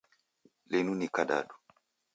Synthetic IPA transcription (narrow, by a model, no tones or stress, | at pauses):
lenunikaɗa̰ɗu